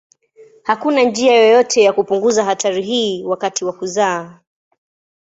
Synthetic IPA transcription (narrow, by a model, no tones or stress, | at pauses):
hakunand͡ʒiajɔjɔtʰɛjakupuŋɡuzaɦataɾiɦiːwakatiwakuzaː